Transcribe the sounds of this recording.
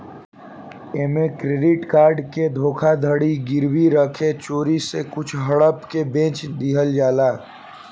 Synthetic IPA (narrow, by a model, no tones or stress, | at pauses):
eːmẽkɾeːɖɪʈkaːɾɖked̪ʱoːkʰad̪ʱəɽiɡɪɾwiɾəkʰet͡ʃoːɾisekʊt͡ʃʰɦɐɽəpkebẽːt͡ʃd̪iɦəld͡ʒaːlaː